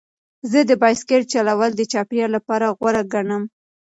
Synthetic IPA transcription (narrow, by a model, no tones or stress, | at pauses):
zəd̪əbɑjskeʈ̚t͡ʃalawəld̪ət͡ʃɑpjɑlapɑɾaɣwaɾaɡaɳəm